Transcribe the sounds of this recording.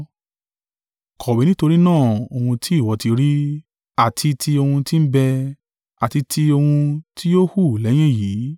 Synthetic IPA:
kʰɔ˨bi˨˦nĩ˦to˧ɾi˦nãː˦˨o˧hũ˧tʰi˦i˦˨wɔ˨˦ti˧ɾi˦ | a˨tʰi˧tʰi˧o˧hũ˧ti˦n̩˦bɛ˧ | a˨ti˧tʰi˧o˧hũ˧ti˦jo˦hu˦˨lɛ˨˦j̃ɛ̃˦˨jiː˨˦

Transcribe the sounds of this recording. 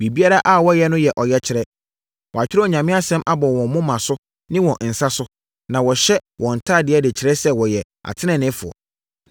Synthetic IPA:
bi˨bi˦a˦ɾa˦ʔa˦˨wɔ˦jɛ˦nʊ̃˦jɛ˨ʔɔ˨jɛ˦t͡ɕʰɪ˨˦ɾɛ˦ | wɔ˨a˨t͡ɕᶣɪ˦ɾɛ˦ɔ˨ɲã˨mɪ̃˦a˦sɛ̃˦mʔa˦bɔ˨wɔ̃˨m˦mʊ̃˦mã˨sʊ˦ | nɪ̃˦wɔ̃˨n̩˨sa˦sʊ˦ | nã˨wɔ˨ɕɛ˦wʔɔ̃˨n̩˨tʰaː˦˨dɪ˨˦ɛ˦dɪ˨t͡ɕʰɪ˨ɾɛ˦sɛ˦˨wɔ˨jɛ˨ | a̰˨tʰɪ˦nɛ̃˨nɪ̃˦fʊ˨ɔ̰˨

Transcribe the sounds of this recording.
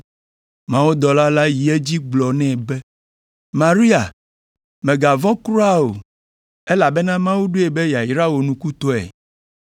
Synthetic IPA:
mã˦wo˦d̪ɔ˨la˦la˦ji˨e˦d͡ʑi˦ɡ͡blɔ˨nɛ̃˦˨bɛ˦ | mã˨ɾi˦a˨ | mɛ̃˨ɡa˨vɔ̃˦kɾu˦a˦o̰˨ | e˦la˨be˦nã˦mã˦wu˦ɖo˦e˨be˦ja˨i˨ɾa˦wo˨nũ˨ku˦t̪o˦ɛ̰˨

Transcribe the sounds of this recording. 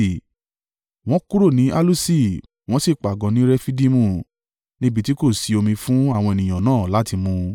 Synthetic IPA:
w̃ɔ̃˦ku˦ɾo˦˨nĩ˨˦ʔa˦lu˦si˦˨ | w̃ɔ̃˦si˦˨k͡pa˨ɡɔ̃˨˦nĩ˨˦ɾɛ˦fi˦di˦mũ˦˨ | nĩ˦bi˧ti˦ko˦˨si˨˧o˧mĩ˧fũ˦a˦˨w̃ɔ̃˧e˨nĩ˨j̃ã˨nãː˦˨la˨˦ti˧mũ˧

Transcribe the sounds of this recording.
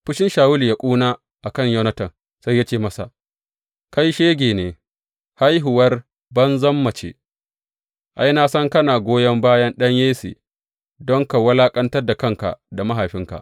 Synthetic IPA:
ɸʊ˦ʃɪ˦nʃaː˨wʊ˦li˨ja˦kʷʼuː˦naː˦ | ʔa˨kɐ˦˨ɲjɐ˦nɐ˦tɐ˨n | sa˦ja˦t͡ʃeː˦˨mɐ˦sa̰˨ | ka˦jʃeː˦ɡʲeː˨neː˨ | ha˦jɦʊ˨wɐ˦r | bɐ˦nzɐ˦mːɐ˨t͡ʃḛ˨ | ʔa˦jna˦sɐ˦ŋkɐ˦naː˨ɡʷoː˦jɐ˦mbaː˦jɐ˦nɗɐ˦ɲjeː˦sḭː˨ | dɔ˦ŋka˨wɐ˦laː˦kʼɐ˦ntɐ˦rda˨kɐ˦˨ŋka̰˨da˨mɐ˦ɦa˨ɸɪ˦ŋka̰˨ʔ

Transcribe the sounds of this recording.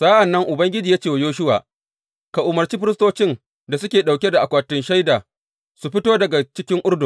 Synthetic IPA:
saː˦ʔa˨nːɐ˦ŋʔʊ˨bɐ˦ŋɡʲɪ˦d͡ʒi˨ja˦t͡ʃeː˦˨wa˨joː˦ʃ̬ʊ˦wa̰ː˨ | ka˨ʔʊ˨mɐ˨rt͡ʃiː˦ɸɪ˦ɾɪ˦stoː˦t͡ʃɪ˦n | da˨sʊ˦kʲeː˨ɗa˨wkʲe˦da˨ʔa˨kʷaː˨tɪ˦nʃa˦jdaː˨ | su˨ɸɪ˦toː˦dɐ˨ɡa˨t͡ʃɪ˦kʲɪ˦ŋʔʊ˦ɽdʊ˨ŋ

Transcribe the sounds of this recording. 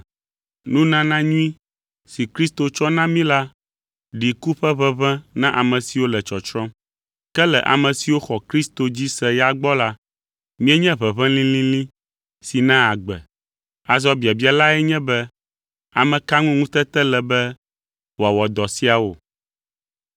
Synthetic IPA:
nũ˦nã˦nã˦ɲũ˦i˦ | si˨kɾi˦st̪o˨t͡ʃɔ˦nã˦mĩ˦la˦ | ɖi˨ku˦ɸɛ˦βɛ˦βɛ̃˦nã˦ʔa˨mɛ̃˨si˨wo˦lɛ˨t͡ʃɔ˨t͡ʃɾɔ̃˦ | kɛ˦lɛ̰˨ʔa̰˨mɛ̃˨si˨wo˦xɔ˨kɾi˦st̪o˨d͡ʑi˦sɛ˦ja˦ɡ͡bɔ˦la˦ | mĩ˦ɛ˦ɲɛ̃˦βɛ˨βɛ̃˦lĩ˦lĩ˦lĩ˦ | si˨nã˦a˨ɡ͡bɛ̰˨ | a˨zɔ˦bi˨a˨bi˦a˨la˦ɛ˦ɲɛ̃˦bɛ˦ | a˨mɛ̃˨ka˦ŋũ˦ŋũ˦t̪ɛ˦t̪ɛ˦lɛ˨bɛ˦ | wo˨a˨wɔ˨d̪ɔ˨si˦a˨wo˨

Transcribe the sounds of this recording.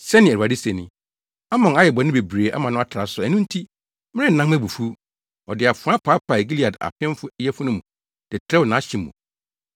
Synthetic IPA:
sɛ˦nɪ̃˨u˨a˨dɪ˦sɛ˨nɪ̃˨ | a˦mɔ̃˨na˦jɛ˨bɔ˨nɪ̃˦be˨bɾeː˨ʔa̰˦mã˨nʊ̃˦a˦tʰa˨sʊ˨æ˨nũ˦n̩˦tʰi˦ | mɪ̃˦ɾɪ˦n̩˨nã˦ŋmæ˦bu˨fu˦ | ɔ˨dɪ˨a˨fʊ˨˦ã˦pʰa˨˦pʰa˨ɡi˦li˦˨a˨da̰˨fɪ̃˦m˦fʊ˦jɛ˦fʊ˦nʊ̃˦mũ˨ | d̥ɪ˨tʰɛ˦wɔ˨nã˨˦ɕɪ̃˨mː˨ṵ̃˨

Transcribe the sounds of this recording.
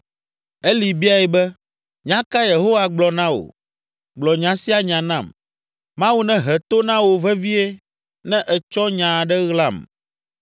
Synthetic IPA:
e˦li˨bi˦a˨ɛ˨bɛ˦ | ɲã˦ka˦je˨ɦo˦wa˨ɡ͡blɔ˨nã˦wo̰˨ | ɡ͡blɔ˨ɲã˨si˦a˦ɲã˨nã̰˦˨m | mã˦wu˦nɛ̃˦ɦɛ˨t̪o˦nã˦wo˨vɛ˦vi˦e˦ | nɛ̃˦ʔɛ˨t͡ʃɔ˦ɲã˨ɖɛ˦ɣla˦˨m

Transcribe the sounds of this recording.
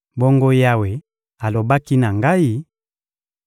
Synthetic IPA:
bɔ˦ŋɡo˦ja˦we˨ | a˨lo˨ba˦ki˦na˨ŋɡa˦i˦

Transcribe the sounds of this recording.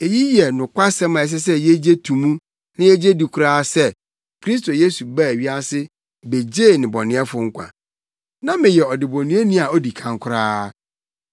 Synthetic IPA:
e˨ji˦jɛ˨nʊ̃˨kʷʰa˦sɛ̃˦mã˨ɛ˨s̬ɛ˦s̬ɛ˦je˦d͡ʑe˦tʰũ˨mũ˦ | nɪ̃˦jɛ˦d͡ʑe˦di˨kʰʷʊ˦ɾaː˦sɛ˦ | kʰɾi˦s̬to˨je˦su˨ba˦˨e˨ɥi˦a˦sɪ˦ | be˨d͡ʑe˦˨nɪ̃˨bɔ˨nɪ̃˨˦ɛ˦fʊ˨ŋ̩˦kʷʰã̰˨ | nã˦mɪ̃˨jɛ˨ɔ˨dɪ˨bɔ˨nũ˦e˦nĩ˦a˨ɔ˦di˨kʰã˨ŋ˦kʷʰʊ˦ɾaː˦

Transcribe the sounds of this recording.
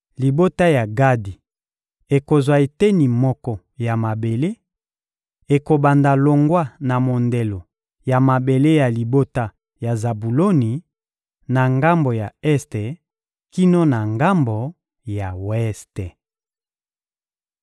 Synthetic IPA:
li˨bo˦ta˦ja˨ɡa˦di˨ | e˨ko˨zwa˨e˨te˦ni˨mɔ˦kɔ˦ | ja˨ma˨be˨le˦ | e˨ko˨ba˨nda˨lo˨ŋɡwa˦na˨mo˨nde˨lo˨ | ja˨ma˨be˨le˦ja˨li˨bo˦ta˦ | ja˨za˨bu˨lo˦ni˨ | na˨ŋɡa˦mbo˨ja˨ɛ˦ste˨ | ki˦no˦na˨ŋɡa˦mbo˨ | ja˨wɛ˦ste˨

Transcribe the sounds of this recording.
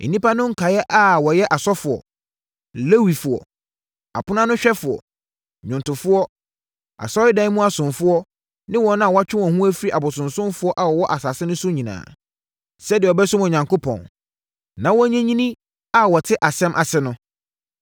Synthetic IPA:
n̩˨nĩ˦pa˦nʊ̃˦ŋ̩˦kʰa˨jɛ˦ʔa˦wɔ˨jɛ˦ʔa˨sɔ˦fʊ˨ɔ̰˨ | le˦wi˨fʊ˨ɔ̰˨ | a̰˨pʰʊ˦nã˦nʊ̃˦ɕᶣɛ˦fʊ˨ɔ̰˨ | ɲᶣʊ̃˨ntʊ˨fʊ˦ɔ˦ | a̰˨sɔ˦ɪ˦dã˦mũ˦a˨sʊ̃˨fʊ˦ɔ˦ | nɪ̃˦wɔ̃˨nã˦a˨wɔ˦a˦t͡ɕᶣɪ˦wɔ̃˨hũ˦æ˦fi˦ɾi˦ʔa˨bʊ˨sʊ̃˨nsʊ̃˦mfʊ˦ɔ˦ʔa˨wɔ˨wɔ˦ʔa˨sa˨sɪ˦nʊ̃˦sʊ˦ɲĩ˨nã̰ː˨ | sɛ˦dɪ˨ɔ˨bɛ˦sʊ˦mɔ˨ɲã˨ŋko˦pʰɔ̰̃˨n | nã˨wɔ˦ɲɛ̃˦ɲĩ˦nĩ˦ | a˦wɔ˨tʰɪ˦ʔa˨sɛ̃˦mʔa̰˨sɛ˦nʊ̃˦

